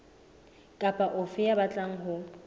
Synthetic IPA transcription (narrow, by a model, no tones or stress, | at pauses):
kʼapʼaʔʊfɪabat͡ɬʼaŋ̩ɦʊ